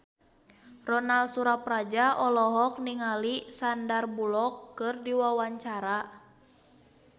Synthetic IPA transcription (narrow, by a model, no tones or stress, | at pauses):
rɔnalsuɾaprad͡ʒaɔlɔɦɔk̚niŋalisandarbulɔkːɨrdiwawaɲt͡ʃaɾa